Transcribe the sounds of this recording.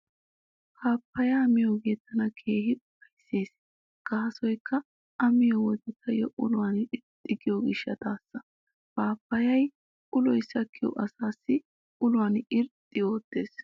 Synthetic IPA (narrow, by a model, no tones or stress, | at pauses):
kʰaːpːɐjɐmɪjoːɡeːt̪ːɐnɐkʰe̞ːhɪʊpɐjsːe̞ːs | ɡ̥ɐɦɐsɔjkːɐ | ʔɐmɪjɔwɔd̪ɛt̪ʰːɐjɔʔʊlʊwanɪɾt̪ʼːɪɡɪjoːɡɪʃːɐt̪aːsːɐ | paːpːɐjɐj | ʔʊlɔjsɐkʰːɪjɔ̰ʔɐsaːsːɪ | ʊlʊwanɪɾt̪ʼːɪjoːt̪ːe̞ːs